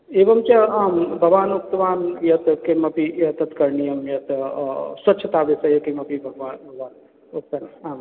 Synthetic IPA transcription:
eːʋɐmt͡ʃɐaːmbʱɐɡʋaːnuk̚t̪ɐʋaːnjɐt̪kemɐpijɐt̪ɐt̪kɐɾɳijɐmjɐt̪sɐtːʃʰɐt̪aːʋesɐjɐkemɐpibʱɐɡʋaːnʋaːn | uk̚t̪ɐnaːm

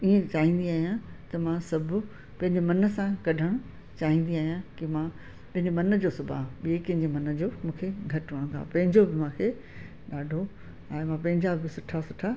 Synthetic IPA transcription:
iẽt͡ɕaːɦĩːn̆d̪iaːɦijãt̪ɐmãsɐbʱʊ̆ | pɐ̃ɦɪ̃ɲd͡ʑemɐnə̆sãkɐɖʱəɽ̃ | t͡ɕaːɦĩːn̆d̪iaːɦijãkɪmã | pɐ̃ɦɪ̃ɲd͡ʑemɐnəd͡ʑoːsʊbʱa̰ːɓiekɐ̃ɦɪ̃ɲd͡ʑemɐnəd͡ʑoːmũːkʰeɡʱɐʈʋɐɽ̃ŋɡa̰ːpɐ̃ɦɪ̃ɲd͡ʑobɪmãːkʰe | ɗaːɖʱo | aːemãpɐ̃ɦɪ̃ɲd͡ʑabɪsʊʈʰasʊʈʰa

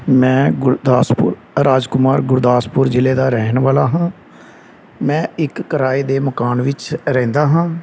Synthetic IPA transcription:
mɛ̃ːɡʊɾd̪aːspʊɾ | ɾaːd͡ʒkʊmaːɾɡʊɾd̪aːspʊɾd͡ʒɪleːd̪aːɾɛːɦnʋaːlaːɦãː | mɛ̃ːɪkːəɾaːiːd̪eːməkaːnʋɪt͡ʃɾɛ̃ːnd̪aːɦãː

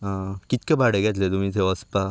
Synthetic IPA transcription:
kit̪̚kebaɽeɡat̪let̪um̤ĩt͡seʋəspa

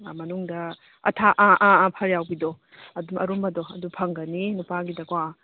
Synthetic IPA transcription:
mɐnuŋdɐ | ɐ̰tʰaʔaʔapʰɐɾjawɡidɔ | ɐdumɐ̰ɾumbɐdɔɐdupʰɐŋɡɐninupaɡidɐkwa

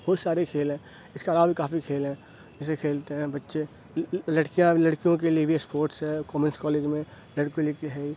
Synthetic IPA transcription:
bɔːɾsaːɾekʰeːlɦɛ̃ː | ɪskalaːbbʱikaːfikʰeːlɦɛ̃ː | ɪsekʰeːlt̪eɦɛ̃bɐtːʃe | lɐɽkijãlɐɽkijõk̬eliebʱispoːɾʈsɦɛkɔːmənskɔːleːd͡ʒmẽ | lɐɽkolikɦɛi

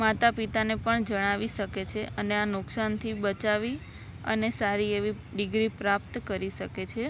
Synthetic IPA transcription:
mat̪apit̪anepəɳd͡ʒəɽ̃aʋiʃəket͡ʃʰeəneanʊksant̪ʰibət͡ʃaʋi | ə̰nesaɾieʋi | ɖɪɡɾipɾap̚t̪kəɾiʃəket͡ʃʰe

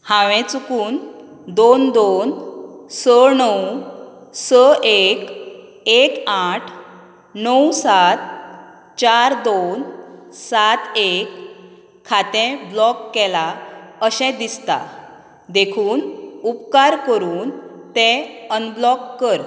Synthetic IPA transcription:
hãʋɛ̃t͡sukuːn | d̪ond̪onsənəw | səʔek | ekaʈʰ | nəwsat̪̚ | t͡ɕaɾd̪onsat̪ekʰː | at̪ɛ̃blɔkːɛlaəɕɛ̃d̪ist̪a̰ | d̪ekʰuːnupkaɾkəɾuːnt̪ɛ̃ənblɔkːəɾ

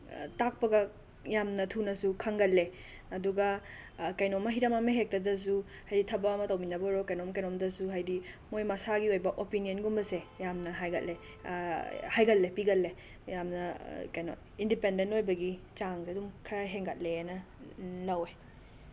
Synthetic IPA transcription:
tak̚pɐɡɐ | jamnɐtʰunɐsukʰɐŋɡɐlːe | ɐduɡɐ | kajnomːɐɦiɾɐmɐmɐɦek̚tɐdɐs̬u | hajditʰɐbɐːmɐtɐwminɐbɐɾokajnomɐkajnomdɐsuɦajdimojmɐsaɡiojbɐʔopiniɐnɡumbɐsejamnɐɦajɡɐ̰t̚le | hajɡɐlːepiɡɐlːe | jamnɐkajno̰ | indipendentojbɐɡit͡ʃaŋseɐdumkʰɐɾaɦeŋɡɐ̰t̚lenɐ | lɐwe

